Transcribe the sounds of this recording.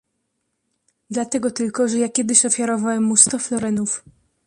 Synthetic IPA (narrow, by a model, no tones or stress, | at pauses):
d̪lat̪ɛɡɔt̪ɘlkɔʐɛjakʲɛd̪ɘɕɔfʲjaɾɔvawɛmːust̪ɔflɔɾɛnuf